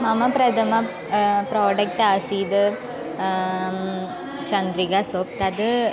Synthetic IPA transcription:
mɐmɐpɾɐd̪ɐmɐ | pɾoːɖɐk̚ʈasiːd̪ɯ | t͡ʃɐnd̪ɾiɡasoːk̚t̪ɐd̪ɯ

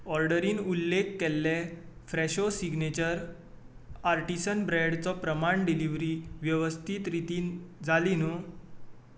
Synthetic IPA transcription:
ɔɾɖəɾiːnulːekːɛlːɛfɾɛɕosiɡnet͡ɕəɾ | aɾʈisənbɾɛɽt͡sɔpɾəmaɳɖiliʋɾiːʋjəʋəst̪ʰiːt̪ɾit̪iːnd͡zalino

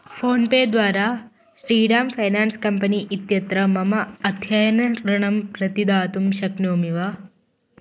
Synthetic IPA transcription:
foːnpeːd̪ʋaːɾa | sɾiːɖaːmfʰɐjnaːnskɐmpɐniːʔit̪jɐt̪ɾɐmɐmɐɐt̪ʰjajɐnɐɾɐɳɐmpɾɐt̪id̪aːt̪umʃɐknoːmiʋa

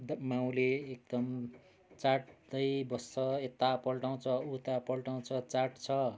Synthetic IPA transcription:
d̪maw̃leːk̚d̪ʌm | t͡saʈ̚d̪ʌjbʌsʌet̪ːapʌlʈaw̃t͡sʰʌut̪apʌlʈaw̃t͡sʰʌt͡saʈt͡sʰʌ

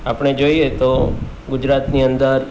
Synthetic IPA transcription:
apɽ̃ed͡ʒoiet̪o | ɡʊd͡ʒɾat̪niənd̪əɾ

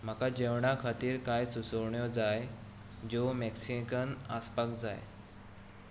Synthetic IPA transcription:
m̤akad͡ʑewɳakʰat̪iːɾkajsusəɾɳjɔd͡zaj | d͡ʑomɛksikənaspəkd͡zaj

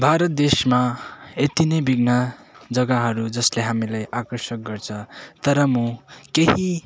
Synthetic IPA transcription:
bʱaɾʌt̪̚d̪esmaet̪inʌjbiɡnʌd͡zʌɡaɦʌɾud͡zʌsleɦamilajʔakʌrsʌk̚ɡʌrt͡sʰʌt̪ʌɾʌmũkeɦi

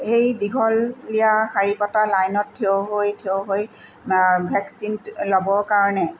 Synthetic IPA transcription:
xejdiɡʱɔlːijaxaɹipɔtalajnɔtʰːeoɦojtʰeoɦoj | bʱɛksinlɔbɔɹkaɹɔnɛ

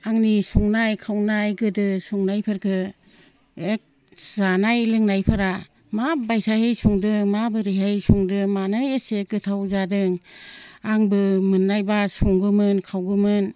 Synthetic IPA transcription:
aŋnisuŋnajkʰawnajɡɯdɯsuŋnajpʰɯɾkʰɯ | ek̚ | zanajlɯŋnajpʰɯɾa | mabajsʰahɯjsuŋdɯmabɯɾɯɦasuŋdɯmanɯjeseɡɯtʰawzadɯŋ | aŋbɯmɯnːajbasuŋɡɯmɯnkʰawɡɯmɯn

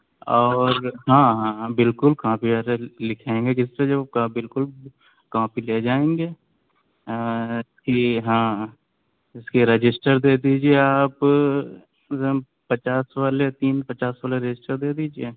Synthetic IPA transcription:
ɔːɾɦãːɦãbɪlkʊlkãpiaɾelɪkʰẽːŋɡekɪssed͡ʒɐkabɪlkʊl | kaãpileːd͡ʒaːẽːŋɡeː | ɪskiɦãː | ɪskiɾed͡ʒɪsʈəɾd̪eːd̪iːd͡ʒieaːp | pɐt͡ʃaːsʋaːlet̪iːnpɐt͡ʃaːsʋaːleɾed͡ʒɪsʈəɾd̪eːd̪iːd͡ʒie

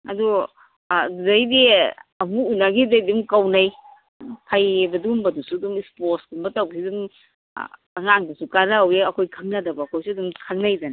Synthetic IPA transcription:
ɐ̰du | zajdiɐbuunːaɡizajdimkɐwnaj | pʰajebɐdumbɐdusudumisposdumbɐtɐwsidum̰ | ɐŋaŋdɐsukaɾaweɐkʰojkʰɐŋnadɐbaːkʰojsuɐdumkʰɐŋnajdana

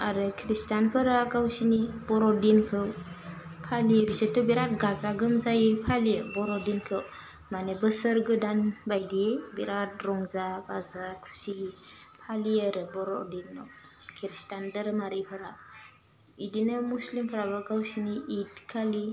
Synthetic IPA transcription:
aɾɯkʰɾistanpʰɯɾakawsinibɔɾɔdinkʰɯw | pʰalibisetubiɾat̚ɡazaɡɯmzaipʰalibɔɾɔdinkʰɯw | manebəsəɾɡɯdanbajdibiɾat̚ɾɔŋzaɡazakʰu̥sipʰaliaɾɯbɔɾɔ̰dinːɔ | kʰiɾistandəɾmaɾipʰɯɾa | idinɯmuslimpʰəɾabakawsiniidkʰali

